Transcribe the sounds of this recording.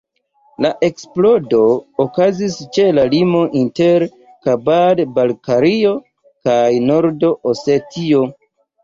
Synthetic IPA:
laʔe̞ksplo̞do̞ːkazist͡ʃe̞lalimo̞ʔinte̞ɾ | kabadbalkaɾio̞ | kajno̞ɾdo̞ʔose̞tʰio̞

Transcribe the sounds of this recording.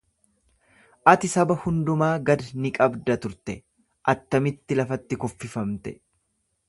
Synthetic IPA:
ʔɐt̪ɪsɐbɐhʊnd̪ʊmaːɡɐd̪nɪkʼɐbd̪ɐt̪ʊɾt̪ɛ | ʔɐt̪ːɐmɪt̪ːɪlɐfɐt̪ːɪkɔfːɪfɐmt̪ɛ

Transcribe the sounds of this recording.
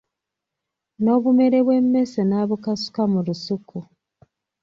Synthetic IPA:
no̞ːβume̞ɾe̞βwe̞mːe̞senaːβukasu̥kamulusuku

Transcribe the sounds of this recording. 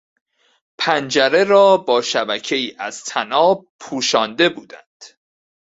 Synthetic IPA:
pʰænd͡ʒæɾe̞ɾɒːbɒːʃæbæcʰe̞iːʔæz̥t̪ʰænɒːpʰuːʃɒːnd̪e̞buːd̪ænd̪̥

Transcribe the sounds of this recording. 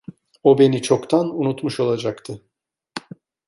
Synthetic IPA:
o̞be̞nit͡ʃʰo̞kt̪ʰanunut̪muʃo̞lˠad͡ʒakt̪ʰɯ

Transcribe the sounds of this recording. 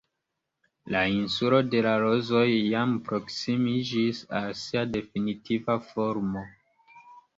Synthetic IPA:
lainsulo̞de̞laɾo̞zo̞jːampɾo̞ksimid͡ʒisalsiade̞finitivafo̞ɾmo̞

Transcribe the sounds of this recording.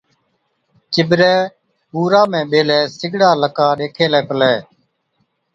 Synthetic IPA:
t͡ʃɪbɾɛː | puːɾaːmɛ̃ːɓeːlɛːsɪɡɽaːləkaːɗeːkʰeːlɛːpəlɛː

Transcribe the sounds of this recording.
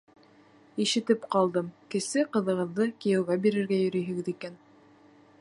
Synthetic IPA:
iʃɘ̆t̪ɘpqɑlˠd̪ɤmkɘ̆sɘqɤ̆ðɤ̆ʁɤ̆ðːɤkijɘ̆wɣæbiɾɘ̆ɾɡæjɵ̆ɾɵ̆jɦɘ̆ɡɘðikæn

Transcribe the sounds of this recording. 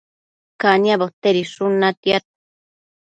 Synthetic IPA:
kaniabot̪eɾiʂunat̪jat̪̚

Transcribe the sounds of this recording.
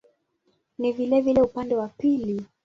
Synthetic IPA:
nivilɛvilɛupandɛwapili

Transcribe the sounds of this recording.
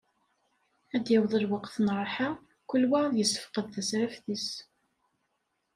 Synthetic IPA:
æd̪jæwðˤəlwɑqθnɾˤħa | kʊlːwaðjəsːə̥fqəðθæsɾæfθis

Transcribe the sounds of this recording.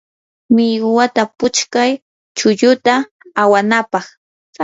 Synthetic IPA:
mɪjɢʊwat̪apʊt͡ʃkaj | t͡ʃʊʎʊt̪aː | wanapɑχ

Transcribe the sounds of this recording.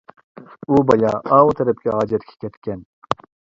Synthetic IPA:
ubɑjɑːɑːwut̪ʰɛɾɛp̚kʲʰɛɦɑːd͡ʒɛt̪kʲʰɛ̥kʲʰɛt̪kʲɛn

